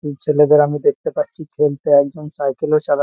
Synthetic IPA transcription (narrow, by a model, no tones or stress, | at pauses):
it͡ɕʰeled̪eɾamid̪ek̚t̪epatːɕʰikʰelt̪eɛk̚d͡ʑonsajkeloʃaɾa